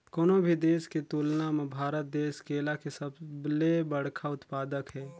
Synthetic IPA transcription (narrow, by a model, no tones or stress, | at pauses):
koːnõbʱid̪eːsket̪uːlnamẽbʱaːɾət̪̚d̪eːskeːlakesəbblebəɽ̤kʰaʊt̪paːd̪əkɦɛː